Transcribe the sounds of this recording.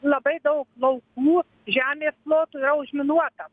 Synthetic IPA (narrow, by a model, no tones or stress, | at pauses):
lˠɐbɐɪd̪ɐʊklˠɐʊkuː | ʒʲæːmʲeːsplˠoːt̪uːiɾɐʊʒʲmʲɪnuɔt̪ɐ